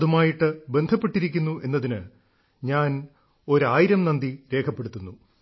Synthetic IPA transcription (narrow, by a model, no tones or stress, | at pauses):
ðumaːjiʈːɨbe̞nd̪ʱɐpːe̞ʈːiɾikʲːunːuʔe̞nːɐðinɨ | ɲaːn | o̞ɾaːjiɾɐmnɐnd̪iɾe̞ːkʰɐpːe̞ɽut̪ːunːu